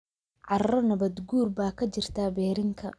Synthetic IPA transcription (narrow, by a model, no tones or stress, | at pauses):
ʕɑrrɔnɐβɐd̪ɡuːrbaːkʰɐt͡ʃɪrt̪ʰaːbɛːɾɪŋkʰɐ̰